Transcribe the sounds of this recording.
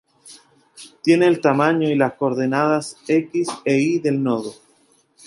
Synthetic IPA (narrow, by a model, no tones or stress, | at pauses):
t̪je̞neːlt̪amãɲoilasko̞ɾðenaðase̞kiseiðe̞lnoðo